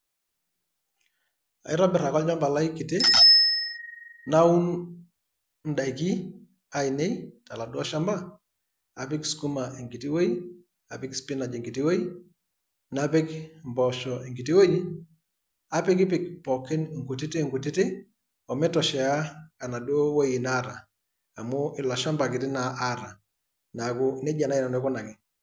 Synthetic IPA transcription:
a̰˨ɪ˦ɾɔ˦bɪ˨ɾa˨kɔ˦lɲɔ˦mba˨la˦i˦ki˨te˦ | na˦u˦n | n̩˦da˨i˨ki˦ | a˦i˨ne˦jta˨la˨dwa˦ʃa˦mba˦ | a˨pɪ˦ksku˦ma˨ʔe˨ŋɡi˨ti˦wo˦i˦ | a˨pɪ˦kspɪ˦na˨d͡ʒe˨ŋɡi˨ti˦we˦i˦ | na˦pɪ˦kmbɔ˨ʃɔ˨e˨ŋɡi˨ti˦wo˦ji˦ | a˦pɪ˦kɪ˦p̬ɪ˨kpɔ˨kɛ˦nŋɡu˨tɪ˦te˦˨ŋɡu˨tɪ˦tɪ˦ | ɔ˨mɛ˦tɔ˨ʃɛ˨a˦ka˨na˨do˦wo˦ji˨na˦ɾaː˨ | mʊ˦ʔɪ˨la˨ʃa˦mba˨kɪ˨tɪ˦na˨ʔːɾa˨ | na˨kʊ˦ne˦d͡ʒa˨na˦i˨na˨nɛ˦kʊ˦na˨kɪ˨

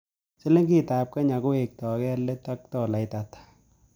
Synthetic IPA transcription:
se˦le˦ŋɡi˦taː˨p̚ka˦ɲa˨ko˦e˨k̚tɔ˨kɛ˦le˦ta˦k̚tɔ˨la˨ɪta˨tḁ

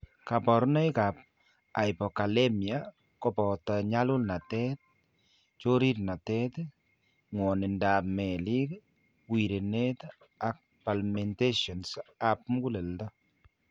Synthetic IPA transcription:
ka˨pɔ˨ɾnɛ˦jka˨p̚ | a˨jpɔ˨ka˨lemja | kɔ˨pɔ˨taɲa˦lʊ˦lna˨tɛ˦t̚ | t͡ʃo˦ɾi˦ɾna˨tɛt | ŋwɔ˨ne˨nda˨mɛ˨li˦k | wi˨ɾe˨net̪ | a˨k̚ | palme˨nte˦ʃɔ˨nsa˨p̚mu˦ku˦le˨ltɔ˦

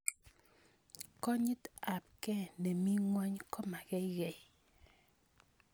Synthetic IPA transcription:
kɔ˦ɲi˦t̪a˨p̚kɛ˦ne˨mi˦ŋwa˦ɲkɔ˦ma˨ɡɛ˦i˦ɡɛ˨j

